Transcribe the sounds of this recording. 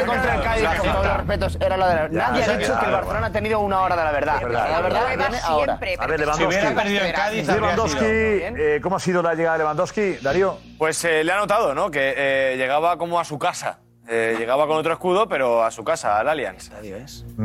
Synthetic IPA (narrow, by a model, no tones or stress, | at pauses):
kont̪ɾaekaðinoβorespet̪oseɾalaðelanaðjait͡ʃokelβaɾθeonat̪eniðounao̞ɾaðelaβeɾðaeɾðaaβeɾðaeneaoɾa̰ɾeaβeɾleβanduoβsjeɾaeɾðiðoekaðileβand̪oskienekomoasiðolaʎe̞ɣaðeleand̪oskid̪aɾjo | pwe̞seleano̞t̪aðono̞ke̞ʎe̞ɣaβako̞moasukasa̰ | eʝe̞ɣaβako̞not̪ɾoeskuðo̞pe̞ɾo̞asukasa̰ːlalja̰nsaðjoes